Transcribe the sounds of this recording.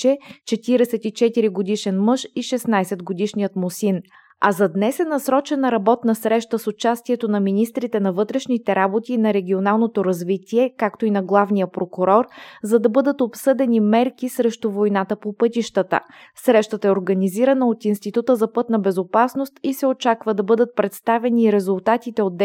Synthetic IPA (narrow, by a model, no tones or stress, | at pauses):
t͡ʃɛt͡ʃɛt̪iɾɛsɛt̪it͡ʃɛt̪iɾiɡod̪iʃɛnmɤʃiʃɛsnajsɛd̪ɡod̪iʃnijət̪mosin | ɐzɐd̪nɛsɛnɐsɾɔt͡ʃɛnəɾɐbɔt̪nəsɾɛʃt̪əsot͡ʃast̪iɛt̪onɐminist̪ɾit̪ɛnɐvɤt̪ɾɛʃnit̪ɛɾabot̪iːnɐɾɛɡʲionalˠnot̪oɾɐzvit̪iɛkakt̪oinɐɡlˠavnijəpɾokʊɾɔɾzɐd̪ɐbɤd̪ət̪opsɤd̪ɛnimɛɾkisɾɛʃt̪ovojnat̪əpopɤt̪iʃt̪ət̪ə̰ | sɾɛʃt̪ət̪əɛoɾɡɐniziɾɐnəot̪inst̪it̪ut̪əzɐpɤt̪nɐbɛzopasnost̪isɛot͡ʃakvəd̪ɐbɤd̪ət̪̚pɾɛt̪st̪avɛniːɾɛzʊlˠt̪at̪it̪ɛod̪ː